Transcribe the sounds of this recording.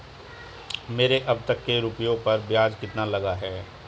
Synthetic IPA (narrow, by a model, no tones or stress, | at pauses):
meːɾeʔɐb̚t̪ɐkːeɾʊpjõpɐɾbjaːd͡ʒkɪt̪nalɐɡaɦɛː